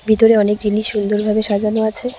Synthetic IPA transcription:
bʱit̪oɾeɔnekd̪ilːiʃːund̪oɾbʱabeʃad͡ʑanoat͡ɕʰe

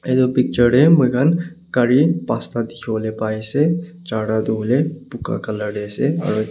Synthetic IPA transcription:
ed̪opik̚t͡ʃəɾemukʰan | kəɾipast̪ad̪ikʰoːlepaise | t͡ʃaɽad̪olepuka̰kələɽesea̰ɾo

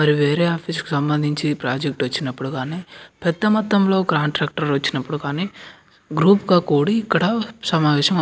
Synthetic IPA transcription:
mɐɾiʋeːɾeːaːpʰiːsku̥sɐmbɐnd̪ʱiɲt͡ʃipɾaːd͡ʒek̚ʈʋɐt͡ʃːinɐpːuɽuɡaːniːpɛd̪ːɐmɐt̪ːɐmlo̞ːkɾaːnʈɾaːk̚ʈɐɾʋɐt͡ʃːinɐpːuɽukaːniː | ɡɾuːpkaːkuːɽiːkːɐɽɐsɐmaːʋɛːʃɐmɐ

